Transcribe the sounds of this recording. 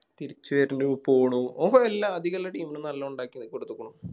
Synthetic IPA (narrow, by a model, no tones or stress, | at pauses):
t̪iɾit͡ɕːuʋɐɾinupoːɳuoboelːaɐd̪ʱiɣɐlːɐʈiːminɨnɐlːɐuɳɖaːkʲːinːikoɽut̪ːukːɐɳu